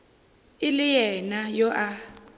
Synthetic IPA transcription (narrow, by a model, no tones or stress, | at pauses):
ɪlɪjɛnajɔʔa